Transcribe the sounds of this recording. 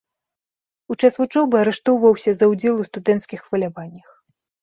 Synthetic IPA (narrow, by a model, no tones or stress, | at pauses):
ut͡ʂasvut͡ʂɔbɨɐɾɛʂt̪ɔwvɐwsʲɐzɐwd͡zʲɛlˠust̪ud̪ɛnt̪skʲixːvɐlʲavanʲːɐx